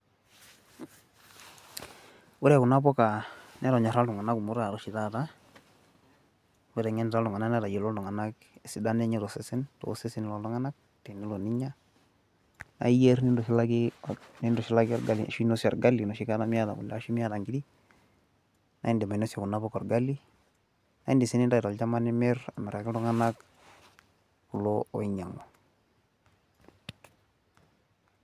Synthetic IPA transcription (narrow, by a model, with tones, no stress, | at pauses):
wu˦ɾɛ˨ku˨na˦bɔ˦ka˨nɛ˦ɾɔ˨ɲa˨ɾa˦ldʊ˨ŋa˨na˦ku˨mu˦ɾa˨ɾɔ˨˦ʃi˨ta˦ta˦ | wu˦ɾɛ˨ŋɛ˦n˨ɾa˦ldɔ˨ŋa˨na˦nɛ˦ɾa˨je˨lɔ˦ldɔ˨ŋa˨na˦k | e˨si˨˦da˦nɛ˦ɲɛ˦ɾɔ˨sɛ˦sɪ˦nto̰˨˦se˦sɪ˦n˨lɔ˦ldɔ˦ŋa˦na˦k̚ | tɛ˨ni˦lɔ˨ni˦ɲa˦ | na̰˨˦i˦je˦ɾni˦ndɔ˨ʃi˦la˦ɡɪ˦ni˦ndɔ˨ʃi˦la˦ɡi˦ɔ˦ɾɡa˦lḭ˨ʃno˦sjɔ˨ɾɡa˦lːi˨no˨ʃi˦ka˦na˦mi˦ja˦da̰˨ɡṵ˨lːʃi˦mija˦da˨ŋɡi˦di˦ | na̰˨˦i˦ndi˨ma˨no˦sjɔ˨ku˨na˦pɔ˦kɔ˨ɾɡa˦lːi˦ | na˦i˦ndi˨si˦ni˦nda˨tɔ˨lt͡ʃa˦ma˦ni˦me˦ɾa˨me˨ɾa˨ki˦lɔ˦ŋa˦na˦k | ku˨loo̰˨i˦ɲa˨ŋo˨